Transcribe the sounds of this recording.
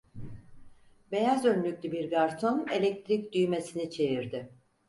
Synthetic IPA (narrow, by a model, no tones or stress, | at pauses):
be̞jazønlʲyc̚ʲlʲybiɾɡaɾt̪ʰo̞ne̞lʲɛc̚t̪ʰɾic̚d̪yjme̞sinit͡ʃʰe̞viɾd̪ɪ